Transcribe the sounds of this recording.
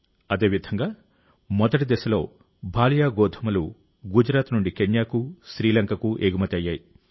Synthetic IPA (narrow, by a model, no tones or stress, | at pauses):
ɐd̪e̞ːʋid̪ʱɐŋɡaː | mɔd̪ɐʈid̪ɛsɐlo̞ː | bʱaːlɐjaːɡɔːd̪ʱɐmɐlu | ɡud͡ʒɾaːt̪nuɳɖikeɲjaːkuʃɾiːlɐŋkɐkuʔeːɡumɐt̪ɐjːaːji